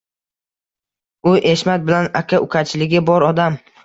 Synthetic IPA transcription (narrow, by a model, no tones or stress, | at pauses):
ʊʔeʃmat̪̚bɪlanakʲʰaʔʊkʲʰat͡ʃʰɪlɪɡʲɪbɒɾɒd̪am